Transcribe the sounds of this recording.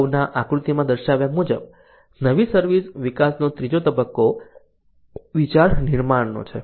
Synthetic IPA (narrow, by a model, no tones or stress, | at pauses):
naʔakɾut̪imãd̪əɾʃaʋjamud͡ʒəb̚ | nəʋisəɾʋisʋikasnot̪ɾid͡ʒot̪əbəkːo | ʋit͡ʃaɾniɾmaɽno̰t͡ʃʰḛ